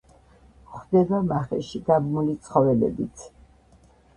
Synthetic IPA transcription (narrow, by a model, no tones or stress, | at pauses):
χd̪ɛbamaχɛ̰ʃiɡabmulit̪sʰχɔvɛlɛ̰bit̪sʰ